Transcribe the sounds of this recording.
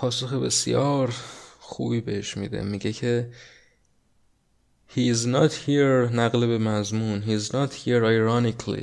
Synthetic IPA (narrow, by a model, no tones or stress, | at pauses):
pʰɒːsoxebe̞sjɒːɾxṵːbibe̞heʃmḭːd̪e̞̰miɟecʰe | hiznɒt̪hiɾnæɣlebe̞mæzmuːnɦiːznɒt̪hiɾɑjɾɒnikʰlḭ